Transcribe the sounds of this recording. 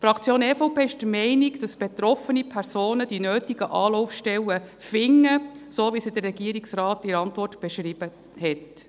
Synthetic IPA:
tfɾɑkt͡sjoːnɛfoʊpeːɪʃd̥əmɛɪniɡd̥ɑsb̥et̪ɾɔfənipʰɛrsoːnəd̥inøːtiɡəʔɑːlɔʊfʃtɛwəfɪŋːəsoːvisid̥̪ərːɛɡiəɾiksrɑːtɪɾɑntʋɔrtb̥ɛʃɾib̥ə | hɛt

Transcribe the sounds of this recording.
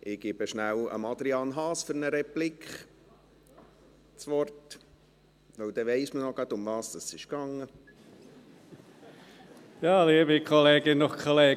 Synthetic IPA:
ʔɪɡ̥ɪb̥əʃnæwə̰mɑd̪ɾiɑːnɦɑːsføɾnəɾɛplikχ | t͡sʋɔrt | ʋœwd̪ɛʋɛɪsmənɔɡ̥ɑt̪ʊmʋɑːsd̥̪ɑsɪʃkɑŋːə | jɑːliːəbikʰɔleːɡɪnʊχkʰɔleː

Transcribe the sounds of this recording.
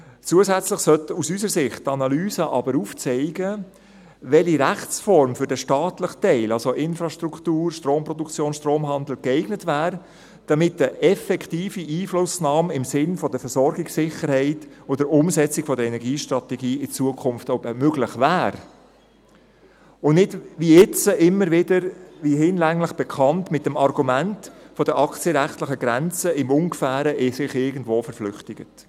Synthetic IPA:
t͡suəsæt͡sləχsœtusysəɾsɪχttɑnɑlyːzəʔɑ̰bəɾuft͡sɛɪɡə | ʋɛliɾæχt͡sfɔɾmfʏɾd̥əʃtɑːtləχtɛɪlɑlsoʔɪnfɾɑʃtɾuktuːɾʃtɾoːmpɾɔdukt͡sjoːnʃtroːmɦɑnd̪l̩kɛɪɡnətvæːɾ | d̥ɑmɪtəʔɛfɛkʰtiːfiʔiːflʊsnɑːmɪmsɪnfɔd̥əfɛɾsɔɾɡɪksɪχəɾhɛɪtodəɾʊmsɛt͡sɪkfɔdəɾɛnɛɾɡiːʃtrɑt̪ɛɡiːɪt͡suəkʰχʊmftoʊbəmøɡlɪχvæːɾ | ʊnɪdʋiɛt͡səʔɪmːəɾʋɪdəɾʋihɪnlæŋlɪχb̥ɛkʰɑntmɪt̚ːɛmɑrɡumæntfɔd̥əʔɑkt͡sjəɾæχtləχəɡ̥ɾɛnt͡səɪmʊŋkfæːɾəʔɪsɪχɪɾɡən̩dvoːfəɾflʏχtɪɡət

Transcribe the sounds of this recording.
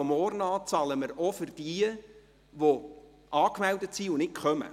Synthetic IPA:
ɔmɔːrnɑːt͡sɑləməɾɔfʏrd̥iə | ʋo | ʔɑːkmɛldətsiʊnɪtkχœmə̰

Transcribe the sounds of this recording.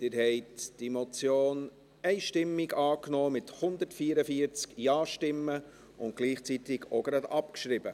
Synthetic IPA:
d̪̥ɪɾhɛɪtd̥imɔt͡sjoːn | ɛɪʃtɪmːɪɡɑːknoːmɪthʊnd̪əɾtfiːəɾəfiəɾt͡skjɑːʃtɪmːə | ʊnt̚ɡ̥liːχt͡sit̪ɪɡo̰ɡɾɑdɑpkʃɾɪb̥ə

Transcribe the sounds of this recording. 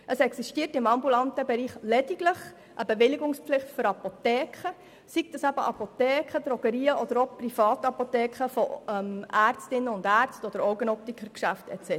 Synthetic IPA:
ʔəsɛksiʃtiətɪmɑmbulɑntəbɛɾiːχlɛd̥iɡləχ | ʔəbɛʋɪliɡʊŋspflɪχtfʏɾɑpot̪ɛːkχə | sikt̪ɑsæbəʔɑpot̪ɛːkχəd̥̪ɾɔɡ̥əɾiːəʔɔd̥̪əɾoprifɑːt̪ɑpotɛːkχəfɔɛmæːrt͡stɪnːəʊndæɾt͡stɔd̥̪əɾɔwɡənɔp̚tikʰəɾkʃæftɛ̰t͡sɛ

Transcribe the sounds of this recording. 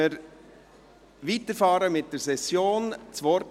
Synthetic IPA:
əɾ | ʋitəɾfɑːɾəmɪt̚d̥əɾsɛsjoːnt͡sʋɔɾt

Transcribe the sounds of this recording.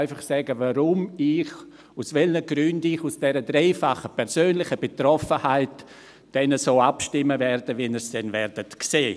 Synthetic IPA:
ɪfaχsɛɡəvaɾʊmɪx | usvɛlnəɡɾʏndɪçusd̥ɛɾədɾeɪfaχəpʰɛɾsøːnlɪχəb̥etɾɔfəhaɪt | d̥ɛnəsoːapʃtɪmːəvɛɾdəvɛnɛsd̥ɛnvɛɾd̥ətkseː

